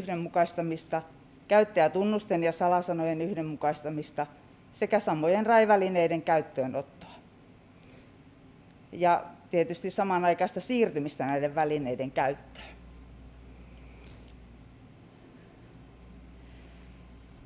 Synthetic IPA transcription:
hdemmukɑist̪ɑmist̪ɑ | kæyt̪ːeæt̪unːust̪enjɑsɑlɑsɑnojenyhdemmukɑist̪ɑmist̪ɑ | sekæsɑmːojenrɑiʋælineideŋkæyt̪ːøːnot̪ːo̥ɑ̥ | jɑt̪iet̪yst̪issɑmɑnɑikɑˑist̪ɑsiːrt̪ymist̪ænæideʋʋælineideŋkæyt̪ːø̥ːn

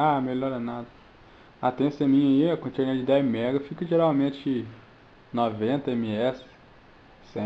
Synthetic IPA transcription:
amelɔɾɐnad̪ɐ | at̪ẽsẽmĩɲɐiɐkõt͡ʃeɾĩɐd͡ʒɪd̪ɛzmɛɡɐfikɐʒeɾawmẽt͡ʃɪ | novẽnt̪ɐẽmiɛs | sẽ

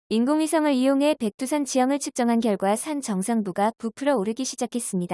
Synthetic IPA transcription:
inɡoŋisʰʌŋɯɾijoŋɦe̞pe̞k̚t͈ʰusʰʌnt͡ɕijʌŋɯɭt͡ɕʰɯk̚t͡ɕ͈ʌŋɦanɡjʌɭɡwasʰant͡ɕʌŋsʰaŋbuɡapupʰɯɾʌoɾɯɡiɕʰid͡ʑakʰe̞s͈ɯmɲida

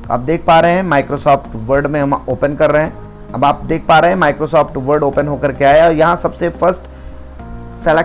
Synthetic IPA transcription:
a̰ːp̚d̪eːk̚ʰpaːɾeɦɦɛ̃maːɪkɾosɔːfʈʋəɾɖmẽɦɐmoːpənkɐɾːɐɦɛ̃ | ɐ̰baːp̚d̪eːk̚ʰpaːɾeɦɛ̃maːɪkɾoːsɔːfʈʋəɾɖoːpənɦoːkəɾkeaːjɔːɾjɐɦãsɐbsefɐɾsʈ | sɛle

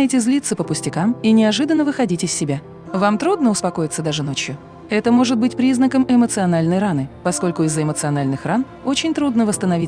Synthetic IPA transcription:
jɪtʲɪzʲlʲit̪səpəpʊsʲtʲɪkaminʲɪɐʐɨd̪ənːəvɨxɐdʲitʲɪsʲːɪbʲa | vamt̪ɾud̪̚nəʊspɐko̞jɪt̪səd̪aʐɨno̞t͡ɕjʊ | ɛt̪əmo̞ʐɨt̪̚bɨtʲpɾʲiznəkəmɪmət̪sɨɐnalʲnəjranɨpɐsko̞lʲkʊɪzːəɪmət̪sɨɐnalʲnɨxran | o̞t͡ɕɪnʲt̪ɾud̪nəvəst̪ənɐvi

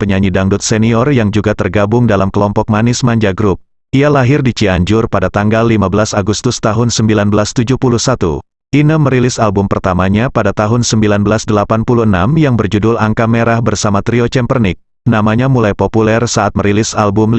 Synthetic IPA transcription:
pəɲaɲidaŋdut̪̚sɛniɔrjaŋd͡ʒuɡat̪ərɡabʊŋdalamkəlɔmpɔk̚manɪsmaɲd͡ʒaɡɾup̚ | ialaɦɪrdit͡ʃiaɲd͡ʒʊrpadat̪aŋɡalːimabəlasaɡust̪ʊst̪aɦʊnsəmbilanbəlast̪ud͡ʒuhpuluhsat̪ṵ | ʔinəməɾilɪsalbumpərt̪amaɲapadat̪aɦʊnsəmbilanbəlasdəlapanpuluəna̰mjaŋbərd͡ʒudʊlaŋkameɾahbərsamat̪ɾiot͡ʃɛmpərnɪk̚ | namaɲamulajpopulɛrsaat̪̚məɾilɪsalbʊm

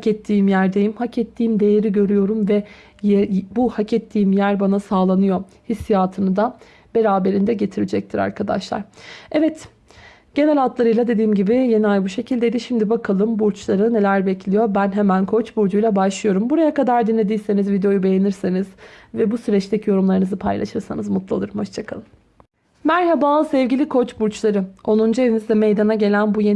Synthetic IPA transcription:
hcɛt̪ʰːiːmjæɾd̪ejimhacʰɛt̪ʰːiːmd̪e̞jeɾiɟø̞ɾyjo̞ɾumvɛ | buhacɛt̪ʰːiːmjæɾbanasaːlˠanɯjo̞ | hisːijaːt̪ʰɯnɯd̪a | b̥e̞ɾaːbe̞ɾind̪ɛɟe̞t̪ʰiɾid͡ʒɛc̚t̪ʰiɾa̰ɾkʰad̪a̰ʃlˠa̰ɾ̥ɛvɛt̪ | ɟ̥e̞nɛlʲalt̪lˠaɾɯjlˠad̪ed̪iːmɟibɪje̞niajbuʃe̞cʰilʲd̪ejd̪iʃimd̪ibakʰalˠɯmbuɾt͡ʃlˠaɾɯne̞lʲæɾbɛcʰlʲijo̞ɾbænɦemænkʰo̞t͡ʃbuɾd͡ʒujlˠabaʃlˠɯjo̞ɾumbuɾajakad̪aɾd̪inlːʲe̞d̪ijse̞nizvid̪ejo̞jube̞jeniɾsenizvɛbusyɾɛt͡ʃt̪ecʰijo̞ɾumlˠaɾɯnɯzɯpʰajlˠa̰ʃɯɾsanɯzmut̪lˠalˠɯɾɯmho̞ʃt͡ʃʰakʰalˠɯm | mæɾɦabaːsɛvɟilʲikʰo̞t͡ʃbuɾt͡ʃlˠaɾɯo̞nund͡ʒeinizd̪ɛmejd̪anaɟe̞lʲænbuje

